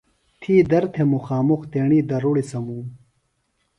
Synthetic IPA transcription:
t̪ʰiːd̪ɐɾt̪ʰemuxaːmuxt̪eːɳiːd̪ɐɾuɽisɐmuːm

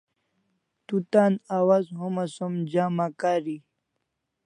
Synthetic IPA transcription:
t̪ut̪aːnawazɦomasomd͡ʑaːmakaːɾi

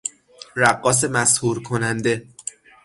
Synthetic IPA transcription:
ɾæɢːɒːs̬e̞mæshuːɾkʰo̞nænd̪e̞

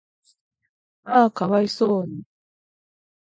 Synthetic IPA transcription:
aːkaβaisoːni

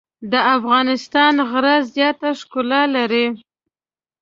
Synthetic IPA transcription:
d̪əʔafɣɑnɪst̪ɑnɣɾazjɑt̪aʂkʊlɑlaɾi

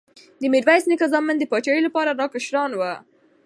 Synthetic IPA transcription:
d̪əmɪɖwajsnɪkazɑmːənd̪əpɑt͡ʃɑjilapɑɾaɾɑkəʃɾɑnwa

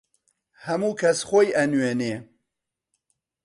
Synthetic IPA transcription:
hɐmuːkʰɐsxoːjʔɐnweːneː

